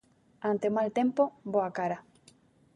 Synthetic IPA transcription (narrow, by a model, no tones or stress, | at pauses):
ant̪eomalt̪empoboakaɾa